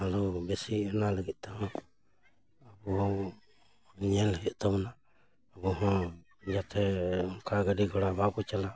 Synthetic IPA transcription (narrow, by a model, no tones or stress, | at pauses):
alubɛsiɛnaləɡit̪̚ˀt̪aɦɔ̃ | abuɔw | ɲɛlɦɛt̪t̪ɔmna | abuɦɔ̃ | d͡ʒat̪ʰɛkʰaɡəɖiɡɔɽabakut͡ʃala